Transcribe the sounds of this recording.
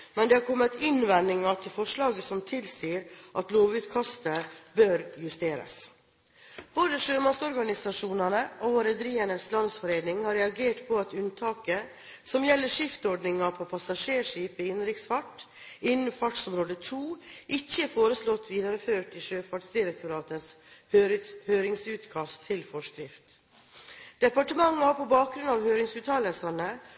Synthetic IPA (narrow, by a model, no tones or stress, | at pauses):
mɛnd̪ɛhɑɾkʰɔmːət̪ʰɪnʋɛnɪŋɑt̪ʰɪlfɔʂlɑːɡəsɔmt̪ʰɪlsiːɾʔɑt̪loːʋʉːt̪kʰɑst̪əbœɾjʉst̪eːɾə̰s | b̥oːd̪əʂøːmɑsɔɾɡɑnɪsɑʂuːnɑnəʔɔʋɑɾɛd̪əɾiːənəslɑnsfɔɾeːnɪŋhɑɾɛɑɡeːʈpʰɔɑt̪ʉnt̪ʰɑːkə | sɔmjɛlːəʂɪft̪ɔɾɖnɪŋɑpʰɔpʰɑsɑʂeːʂiːpəɪnɾɪksfɑʈː | ɪnn̩fɑʈsɔmɾoːd̪ət̪ʰuːʔɪçːəfoːɾəslɔt̪ʰːʋiːd̪ɑɾəføːʈɪʃøːfɑʈsd̪ɪɾək̚t̪ʊɾɑːt̪əshøːɾɪhøːɾɪŋsʉːt̪kʰɑst̪ʰːɪlfɔʂkɾɪft̪ | d̪̥ɛpɑʈəmɑŋːɑɑpʰɔbɑːk̚ɡɾʉnɑːʋhøːɾɪŋsʉːt̪ʰɑːləlsɑnə